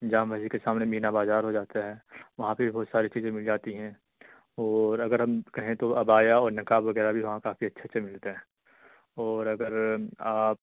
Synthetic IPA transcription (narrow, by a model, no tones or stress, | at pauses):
d͡ʒaːmbaːsikesaːmnemiːnabaːzaːɾɦod͡ʒaːt̪aɦɛːʋɐɦãpebʱibʱɔːt̪saːɾit͡ʃiːzẽmɪld͡ʒaːt̪iɦɛ̃ | ɔːɾɐɡəɾɦɐmkɐɦẽt̪oɐbaːjaɔːɾnɐkaːʋɐɡɛːɾabʱiʋɐɦãkaːfiɐtːʃʰatːʃʰemɪlt̪eɦɛ̃ː | ɔːɾɐɡəɾaːp̚